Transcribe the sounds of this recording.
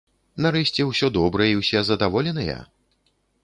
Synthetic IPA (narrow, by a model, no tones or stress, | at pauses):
naɾɛɕʲt͡sʲɛwsʲɔd̪ɔbɾɐjiwsʲɛzɐd̪avɔlʲɛnɐjɛ̰